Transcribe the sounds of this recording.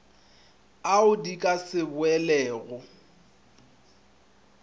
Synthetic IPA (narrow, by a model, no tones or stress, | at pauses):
aʊdikʼasɪbʊɛlɛːɣʊ